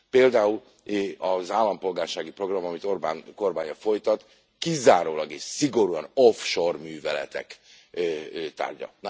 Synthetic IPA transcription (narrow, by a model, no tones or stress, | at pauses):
peːld̪aːul | ɒzaːlːɒmpo̞lɡaːrʃaːɡipro̞ɡrɒmɒmit̪o̞rba̰ːnko̞rbaːɲɒfo̞jt̪ɒt̪ | kizaːɾoːlɒɡeːʃsiɡo̞ɾuɒnofʃo̞rmyːvɛlɛ̰t̪ɛ̰kː | t̪a̰ːrɟɒ̰n